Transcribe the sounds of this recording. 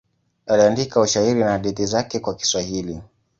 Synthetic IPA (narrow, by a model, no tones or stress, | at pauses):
aliandikauʃaiɾinahaɗiθizakɛkwaki̥swahili